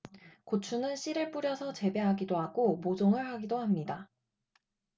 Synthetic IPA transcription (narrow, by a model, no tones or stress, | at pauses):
kot͡ɕʰunɯnɕ͈iɾɯɭp͈uɾjʌsʰʌt͡ɕe̞be̞ɦaɡidoɦaɡomod͡ʑoŋɯɭhaɡidoɦamɲida